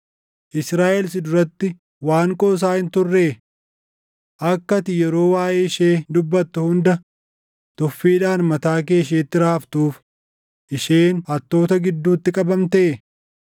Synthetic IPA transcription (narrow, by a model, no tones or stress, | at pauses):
ʔɪsɾaːʔɛlsɪd̪ʊɾɐt̪ːɪ | waːŋkʼoːs̬aːhɪnt̪ʊrːeː | ʔɐkːɐt̪ɪjɛɾo̞ːwaːʔeːɪʃeːd̪ʊbːɐt̪ːʊhʊnd̪ɐ | t̪ɔfːiːᶑaːnmɐt̪aːk̬e̞ːʃeːt̪ːɪɾaːft̪uːf | ʔɪʃeːnɐt̪ːo̞ːt̪ɐɡɪd̪ːuːt̪ːɪkʼɐbɐmt̪ɐʔe